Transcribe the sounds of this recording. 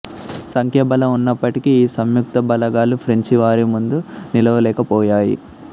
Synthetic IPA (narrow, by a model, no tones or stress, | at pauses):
sɐŋkjɐːbɐlɐunːɐpːɐʈikiːsɐmjuk̚t̪ɐbɐlɐɡaːlupʰɾeɲt͡ʃiʋaːɾimund̪unilɐʋɐlɛːkɐpɔːjaːjḭ